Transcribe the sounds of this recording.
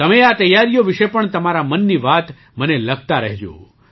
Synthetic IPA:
t̪əmeat̪əjːaɾijoʋiʃepəɳt̪əmaɾamənːiʋat̪ | məneləɡ̚t̪aɾəɦed͡ʒõ̰

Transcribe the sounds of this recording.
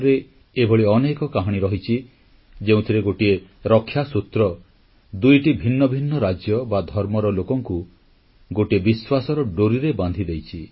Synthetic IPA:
ɾe | ebʱɔɭiɔnekɔkaɦɔɽ̃iɾɔɦit͡ʃʰi | d͡ʒeũt̪ʰiɾeɡoʈieɾɔkʰːjasut̪ɾɔ | d̪ujʈibʱinːɔbʱinːɔɾad͡ʒjɔbad̪ʱɔɾmɔɾɔlokɔŋku | ɡoʈiebiswasɔɾɔɖoɾiɾeband̪ʱid̪ejt͡ʃʰi

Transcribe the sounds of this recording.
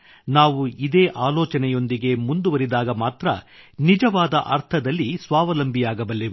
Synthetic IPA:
naːʋuid̪eːʔaːlɔːt͡ʃɐnɛjo̞nd̪iɡe̞mund̪uʋɐɾid̪aːɡɐmaːt̪ɾɐ̰nid͡ʒɐʋaːd̪ɐ̰ʔɐɾt̪ʰɐd̪ɐlːisʋaːʋɐlɐmbʱijaːɡɐbɐlːiʋe

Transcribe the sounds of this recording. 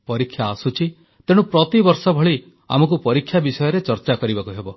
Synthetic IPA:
pɔɾikʰːjaːsut͡ʃʰi | t̪eɽ̃upɾɔt̪ibɔɾsɔbʱɔɭi | a̰mɔk̬upɔɾikʰːjabisɔjɔɾet͡ʃɔɾt͡ʃakɔɾibakuɦebɔ

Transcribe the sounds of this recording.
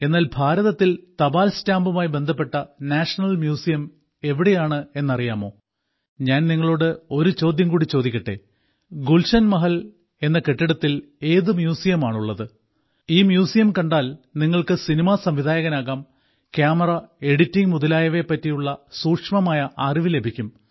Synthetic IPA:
e̞nːaːlbʱaːɾɐðɐt̪ːilt̪ɐbaːlstaːmbumaːjibe̞nd̪ʱɐpːe̞ʈːɐnaːʂɐnɐlmjuːsijɐm | e̞ʋiɽejaːɳɨe̞nːɐrijaːmo̞̰ː | ɲaːnniŋːɐɭoːɽɨo̞ɾut͡ɕo̞ːd̪jɐmkuːɽit͡ɕo̞ːd̪ikʲːiʈːe̞̰ | ɡulʂɐnmɐɦɐl | e̞nːɐke̞ʈːiɽɐt̪ːil | e̞ːðɨmjuːsijɐmaːɳuɭːɐðɨ | iːmjuːsijɐmkɐɳɖaːlniŋːɐɭkɨsinimasɐmʋid̪ʱaːjɐɣɐnaːɣaːm | kjaːmɐrɐe̞ɽitːiŋmuðɐlaːjɐʋe̞pːɐtːijuɭːɐsuːkʂmɐmaːjɐʔaːriʋile̞bʱikʲːum

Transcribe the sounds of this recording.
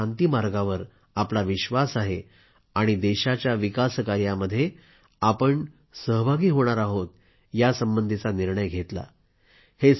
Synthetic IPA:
ant̪iːmaɾɡaʋəɾ | aplaʋiɕʋasaɦe | aɽ̃id̪eɕat͡ɕjaʋikaskaɾjaməd̪ʱːje | apəɳ | səɦbʱaɡiːɦoɽ̃aɾaɦot̪ | jasəmbənd̪ʱit͡saniɾɳəjɡʱet̪la̰ | he

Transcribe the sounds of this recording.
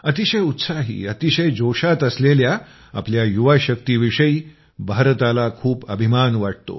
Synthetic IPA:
ət̪iɕəjut̪saɦḭːət̪iɕəjd͡ʑoʂat̪əslelja | a̰pljajuʋaɕəkt̪iːʋiʂəiː | bʱaɾt̪alakʰuːpəbʱimanʋaʈ̚t̪o̰

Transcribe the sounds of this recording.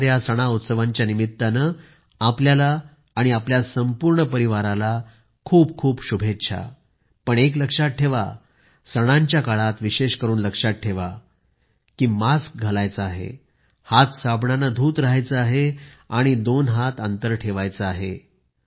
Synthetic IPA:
ɾjasəɽ̃aut̪səʋãɲt͡ɕjanimit̪ːanə | apljalaː | ɽ̃iapljasəmpuɾɳəpəɾiʋaɾala | kʰuːp̚kʰuːpɕubʱet̪ːɕʰa̰ | pəɳek̬ləkʂat̪̚ʈʰeʋa̰ | səɽ̃aɲt͡ɕjakaɭat̪ʋiɕeɕkəɾuːnləkʂat̪̚ʈʰeʋa | kiːmask̚ɡʱəlajt͡səaɦḛ | hat̪sabɳanad̪ʱuːt̪ɾəɦajt͡səaɦeaɽ̃id̪onɦat̪ant̪əɾʈʰeʋajt͡səaɦe

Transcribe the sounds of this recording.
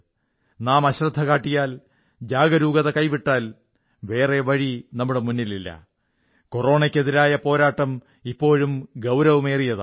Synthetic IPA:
naːmɐɕrɐd̪ʱːɐkaːʈːijaːl | d͡ʑaːɡɐɾuːɡɐðɐkɐjʋiʈːaːl | ʋe̞ːre̞ʋɐɻinɐmːuɽe̞munːililːɐ̰ | koro̞ːɳɐkʲːe̞ðiɾaːjɐpo̞ːɾaːʈːɐm | ipːo̞ːɻumɡɐwɾɐʋume̞ːrijɐð

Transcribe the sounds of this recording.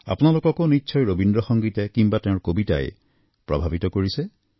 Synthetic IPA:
a̰pʊnalʊkɔkonitːʃʰɔjɹobindɹɔxɔŋɡitɛkimbatɛ̃ʊ̃ɹkobita̰j | pɹɔ̰bʱabitɔkoɹisɛ

